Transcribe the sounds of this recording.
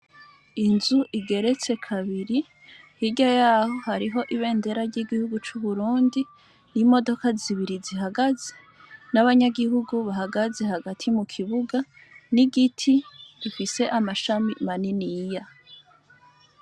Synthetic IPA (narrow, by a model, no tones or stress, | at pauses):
inzuʔiɡe̞ɾe̞t͡se̞kʰaβiɾi | hiɟajaːho̞haɾiɦo̞ʔiβe̞ːnde̞ɾaɾɟiɡihuɡut͡ʃuβuɾuːndi | nimo̞do̞kaziβiɾiziɦaɡaze | naβaɲaɡihuɡuβahaɡaze̞haɡatʰimukʰiβuɡa | niɡitʰiɾifise̞ʔamaʃamimaninija